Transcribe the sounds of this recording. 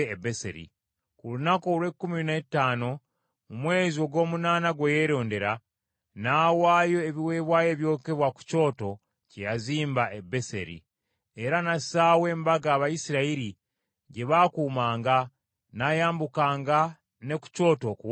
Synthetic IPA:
ebe̞sḛɾḭ | kulunako̞lwe̞kːumiinetːaːno̞ | mumwe̞ːzio̞ɡo̞ːmunaːnaɡweje̞ɾo̞ːnde̞ɾa | naːwaːjo̞eβiwe̞ːβwaːje̞βjo̞ke̞βwaku̥co̞ːto̞ | cejaziːmbaʔebe̞se̞̰ɾḭ | e̞ɾanasaːwe̞ːmbaɡaːβajisiɾaiɾi | ɟe̞βakuːmaːŋɡa | najaːmbukaːŋɡa | ne̞ku̥co̞ːto̞kuw

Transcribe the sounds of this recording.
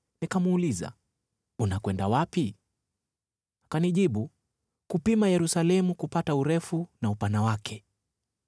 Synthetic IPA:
nikamuːliza̰ | unakwɛndawapi | kaniʄiɓu | kupimajɛɾusalɛmukupatauɾɛfunaupanawakʰɛ

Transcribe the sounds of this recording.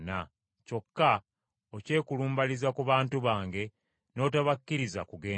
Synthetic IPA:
na | co̞kːa | oce̞ːkuluːmbalizakuβaːntuβaːŋɡe̞ | no̞ːtaβakːiɾiza̰kuɡe̞ː

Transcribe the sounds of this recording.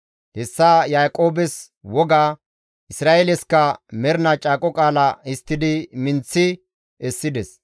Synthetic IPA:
hɛsːajaːkʼo̞ːbɛs | wɔɡaː | ʔɪsɾaːelɛskːɐmɛɾnɐt͡ʃʼaːkʼɔkʼaːlɐɪst̪ːɪd̪ɪmɪnt͡sːɪ | ɛsːɪd̪ɛs

